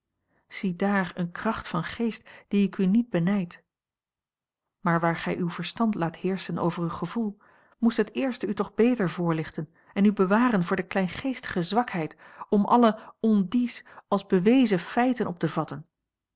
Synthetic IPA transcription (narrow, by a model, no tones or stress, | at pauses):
z̥idaːɹənkrɑχtfɑnχejst̚d̥iɪkynid̚bənɛjt | maːɹʋaːɹχɛ̰jʔywvəɹstɑntlaːthɪːɹsənʔo̰wvəɹywχəvulˠ | mustɦətɪːɹstəytɔχbejtəɹvʊːɹlɪχtən | ɛnybəʋaːrənvʊːɹdəklɛjnχejstə̥χəzʋɑkɦɛjtɔmʔɑ̰ləɔndisɑlˠzbəʋejzəfɛjtənʔɔp̚təvɑtən